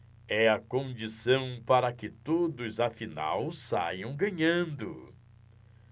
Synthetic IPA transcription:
ɛɐkõnd͡ʒisɐ̃w̃paɾɐkɪt̪od̪ʊzafina̰wsa̰jɐ̃w̃ɡɐ̃ɲɐ̃nd̪ʊ

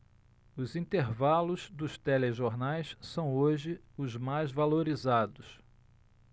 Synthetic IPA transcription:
ʊzĩnt̪eɾvalʊzd̪ʊʃt̪ɛleʒoɾnajssɐ̃w̃oʒɪ | ʊzmajzvaloɾizad̪ʊs

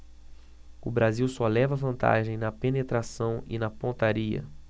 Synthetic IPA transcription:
ʊbɾaziwsɔlɛvɐvɐ̃nt̪a̰ʒẽj̃nɐpenet̪ɾasɐ̃w̃ɪ̰nɐpõnt̪aɾiɐ̰

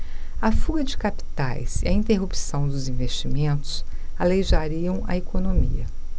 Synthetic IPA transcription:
ɐfuɡɐd͡ʒɪkapi̥t̪a̰jsɪɐĩnt̪eɦupsɐ̃w̃d̪ʊzĩvest͡ʃimẽnt̪ʊ̥saleʒaɾiɐ̃w̃ɐ̰ekonomiɐ

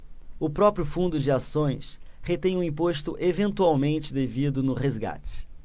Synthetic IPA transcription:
ʊpɾɔpɾjʊfũnd̪ʊd͡ʒɪasõj̃s | het̪ẽj̃ũĩpoʃt̪ʊʔevẽnt̪uawmẽnt͡ʃɪd̪evid̪ʊnʊhezɡa̰t͡ʃɪ̥

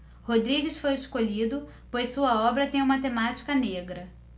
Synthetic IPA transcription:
hod̪ɾiɡɪsfojeskoʎid̪ʊ | pojsuɐɔbɾɐt̪ẽj̃umɐt̪emat͡ʃi̥kɐneɡɾɐ

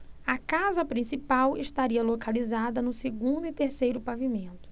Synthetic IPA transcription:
ɐkazɐpɾĩsipawɪʃt̪aɾiɐlokalizad̪ɐnʊseɡũnd̪ʊɪt̪eɾsejɾʊpavimẽnt̪ʊ̥

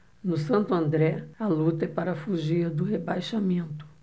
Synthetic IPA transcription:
nʊsɐ̃nt̪ʊɐ̃nd̪ɾɛɐlut̪ɐɛpaɾɐfuʒiɐd̪ʊhebajʃamẽnt̪ʊ̥

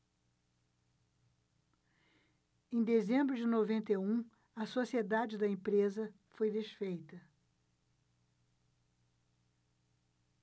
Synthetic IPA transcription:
ẽj̃d̪ezẽmbɾʊd͡ʒɪnovẽnt̪eũ | ɐsosied̪ad͡ʒɪd̪ɐẽpɾezɐ | fojd̪esfejt̪ɐ

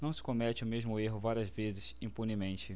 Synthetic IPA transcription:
nɐ̃w̃sɪ̥komɛt͡ʃɪʊmeʒmʊeɦʊvaɾiɐzvezɪsĩpunimẽnt͡ʃɪ

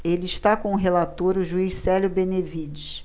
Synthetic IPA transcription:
elɪiʃt̪akõʊɦelat̪oɾʊʒuisɛljʊbẽnevid͡ʒis

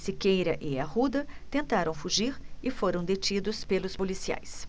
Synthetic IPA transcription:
sikejɾɐʔɪɐhud̪ɐt̪ẽnt̪aɾɐ̃w̃fuʒiɾɪfoɾɐ̃w̃d̪et͡ʃid̪ʊspelʊspolisia̰js

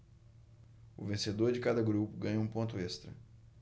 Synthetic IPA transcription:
ʊ̰vẽsed̪oɾd͡ʒɪkad̪ɐɡɾupʊɡɐ̃ɲɐũpõnt̪ʊest̪ɾɐ̰

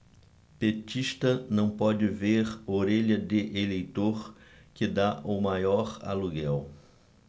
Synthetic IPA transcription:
pet͡ʃiʃt̪ɐnɐ̃w̃pɔd͡ʒɪveɾoɾeʎɐd̪ɪʔelejt̪oɾ | kɪd̪aʔʊmajɔɾa̰luɡɛw

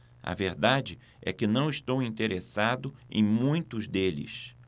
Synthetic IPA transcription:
ɐ̰veɾd̪ad͡ʒɪ | ɛ̰kɪnɐ̃w̃ist̪owĩnt̪eɾesad̪ʊḛ̃j̃mũj̃t̪ʊzd̪elɪ̰s

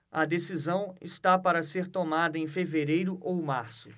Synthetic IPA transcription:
ɐd̪esizɐ̃w̃ɪst̪apaɾɐseɾt̪omad̪ɐẽj̃feveɾejɾʊʔowmaɾsʊ

